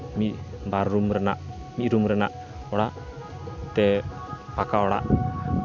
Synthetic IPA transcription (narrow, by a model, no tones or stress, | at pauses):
miʔmbaɾːumɾəna̰ʔ | miʔɾumɾəna̰ʔ | ɔɽaʔ | t̪ɛpakaɔɽa̰ʔ